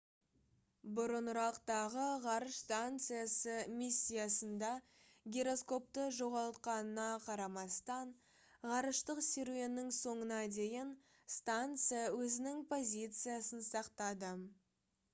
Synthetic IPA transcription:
bʊɾənʊɾɑqt̪ɑʁəʁɑɾəʃst̪ant̪sɨjasəmisʲːijasənd̪ɑ | ɡʲeɾo̞sko̞p̚t̪əʒo̞ʁɑlˠt̪qɑnənɑqʰɑɾɑmɑst̪ɑɴ | ʁɑɾəʃt̪əqsʲeɾe̞nːɪŋso̞ɴənɑd̪e̞jɪn | st̪ant̪sɨjawɵzɪnɪŋpʰo̞zʲijt̪sɨjasənsɑqt̪ɑd̪ə

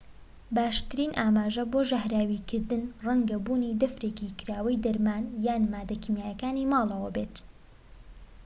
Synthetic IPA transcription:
baːʃt̪ɨɾiːnʔaːmaːʒɐboːʒɐhɾaːwikʰɨɾd̪ɨnrɐŋɡɐbuːniːd̪ɐfɾeːkikɨɾaːwɐjd̪ɐɾmaːnjaːnmaːd̪ɐkimjaːjɐkaːnimɑːlˠɐwɐbeːt̪

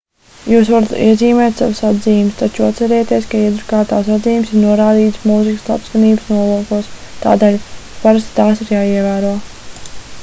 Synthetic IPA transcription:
juːsvaɾat̪iɛziːmɛːjt̪ʲsa̰vusad̪ziːmst̪at͡ʃuat̪t̪sɛɾɛːjat̪iɛskaiɛd̪ɾukaːt̪aːsad̪ziːjumsiɾnuɔɾaːd̪iːt̪smuzikslˠa̰pskaniːbəsnuɔvuɔkuɔs | t̪a̰ːd̪eːlʲpaɾast̪t̪aːsiɾjaːiɛvæːɾuɔ

